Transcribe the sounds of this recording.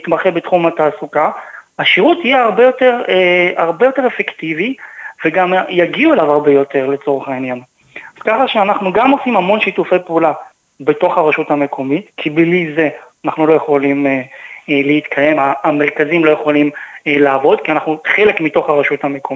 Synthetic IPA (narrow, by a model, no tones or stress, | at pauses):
it̪maχebet̪χumataːsukahaʃiʁutijeaʁbejo̞teʁeaʁbe̞jo̞te̞ʁefektiviveɡamjaɡiuelavaʁbe̞jo̞te̞ʁle̞t͡so̞ʁeχainjan | az̥kaχaʃeanaχnuɡamo̞simhamo̞nʃitufejpeula | be̞to̞χhaʁaʃuthame̞kʰo̞mitkʰiblize̞anaχnulo̞jeχo̞limeleit̪kʰaje̞maːmeʁkazimlo̞jeχo̞limlaːvo̞d̪kianaχnuχelekmito̞χhaʁaʃuthame̞ko